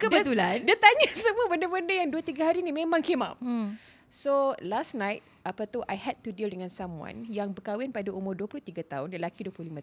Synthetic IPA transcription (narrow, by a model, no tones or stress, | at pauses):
kədbət̪ulandiat̪aɲasəmuəbəndabəndajaŋduat̪iɡaɦaɾinĩmẽmãŋkemã̰m | solasnajt̚ | ʔapat̪uʔa̰jhɛd̚tudildəŋãnsamwã̰njaŋbəkawɪnpadaʔumʊrduəpulʊht̪iɡat̪aʊnjalakiduəpluhlimã